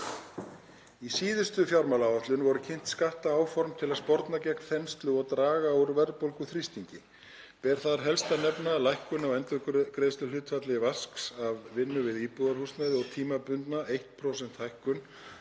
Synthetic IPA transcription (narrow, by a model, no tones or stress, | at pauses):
isiːðʏst̪ʏfjawɾmalawaht̪lʏnvɔɾʏcʰejn̥t̪skaht̪aaːwfɔɾmt̪ʰɪlaðspɔɾt̪nacɛknθɛnst̪lʏɔɣt̪ɾaːɣauɾvɛɾðpowlkʏθɾist̪iɲcɪ | pɛɾ̥θaðɾ̥ɦɛlst̪anɛpnalajhkʏnawɛnt̪ʏkɾeðst̪ʏlʏt̪fat̪lɪvasksavːɪnːʏvɪðiːpuðaɾ̥hust̪naðɪɔɣt̪ʰiːmapʏnt̪naejht̪pʰɾowsɛnt̪hajhkʏn